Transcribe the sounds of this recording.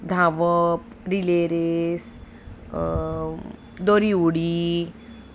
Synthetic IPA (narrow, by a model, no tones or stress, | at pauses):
d̪ʱaʋəp | ɾileɾes | d̪oɾiwɽi